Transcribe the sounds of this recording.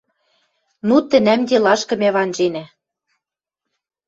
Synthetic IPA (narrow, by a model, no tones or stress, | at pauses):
nut̪ɘ̆næmd̪ʲelɑʃkɤ̆mæβɑnʒenæ